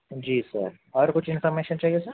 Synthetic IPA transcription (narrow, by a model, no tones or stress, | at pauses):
d͡ʒiːsɐ̰ɾ | ɔːɾkʊt͡ʃʰɪnpʰɔːɾmeːʃənt͡ʃaːɦiesɐɾ